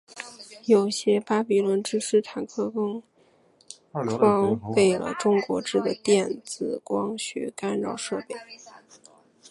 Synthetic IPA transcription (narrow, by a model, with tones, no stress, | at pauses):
jo˨˩ʊɕjɛ˥pa˥pi˨˩lwə˧˥nʈ͡ʂɻ̩˥ʂɻ̩˥˩t̪ʰa˨˩nkʰɤ˥kɤ˥ŋ | ʈ͡ʂʰwɑ˥ŋpe˥˩ɪlə̰˩ʈ͡ʂʊ˥ŋkwɔ̰˧˥ʈ͡ʂɻ̩˥˩d̪ə˩t̪jɛ˥˩nt͡sɹ̩˨˩kwɑ˥ŋɕɛ̰˧˥ka˥nɻɑ̰˥˧ʊʂɤ˥˧pe˥˩ɪ